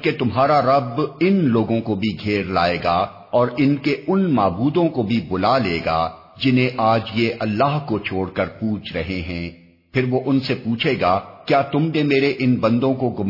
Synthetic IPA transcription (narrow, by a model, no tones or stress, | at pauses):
ket̪ʊmɦaːɾaɾɐbɪnloːɡõkobʱiɡʱeːɾla̰ːeːɡa | ɔːɾɪnkeʊnmaːbuːd̪õkobʱibʊlaleːɡa̰ː | d͡ʒɪnẽʔaːd͡ʒjeʔɐlːaːɦkot͡ʃʰoːɽkɐɾpuːt͡ʃʰɾɐɦeɦɛ̃ː | pʰɪɾʋoʔʊnsepuːt͡ʃʰeːɡaːkjaːt̪ʊmnemeːɾeʔɪnbɐ̃nd̪õkoɡʊm